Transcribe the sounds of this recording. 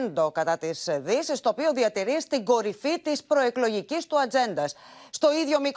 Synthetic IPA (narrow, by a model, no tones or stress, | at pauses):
nd̪o̞kɐt̪ɐt̪izðisist̪o̞ːpio̞ðiɐt̪iɾist̪iɡo̞ɾifit̪ispɾo̞e̞klo̞ʝicist̪uɐd͡ze̞nd̪ɐsːt̪o̞iðʝo̞mik